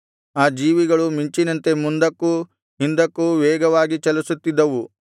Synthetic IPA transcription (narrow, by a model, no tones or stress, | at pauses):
aːd͡ʒiːʋiɡɐɭumiɲt͡ʃinɐnt̪e̞mund̪ɐkːu | ɦind̪ɐkːuʋɛːɡɐʋaːɡit͡ʃɐlusut̪ːid̪ːɐʋu